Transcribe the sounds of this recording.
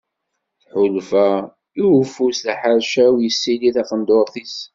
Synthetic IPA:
θħʊlfæ | iwəfusðæħəɾʃæwjəsːiliθɑfənd̪oɾˤθis

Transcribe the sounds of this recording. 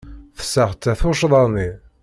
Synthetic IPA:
θə̥sːəʁt̪ːæθuʃðˤɑni

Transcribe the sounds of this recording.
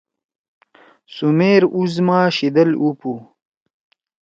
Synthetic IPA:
sumeːɾuzmaːɕid̪ɐlupu

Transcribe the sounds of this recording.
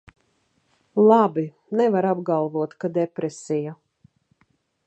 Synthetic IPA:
lˠabi | nɛvaɾabɡalˠvuɔt̪kad̪ɛpɾɛsʲija

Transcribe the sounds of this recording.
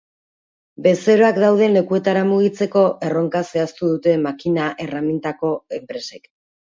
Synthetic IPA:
be̞se̞ɾo̞akd̪awð̞e̞nle̞kue̞t̪aɾamuɣ̞it͡se̞ko̞ʔe̞ro̞ŋkase̞ast̪uðut̪e̞makinaʔe̞ramint̪ako̞e̞mpɾe̞se̞k

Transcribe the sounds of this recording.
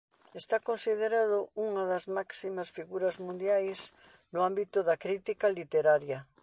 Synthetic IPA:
est̪akonsiðeɾaðouŋaðazmaksimasfiɣuɾazmũnd̪jajs | noambit̪ʊðakɾit̪ikalit̪eɾaɾja

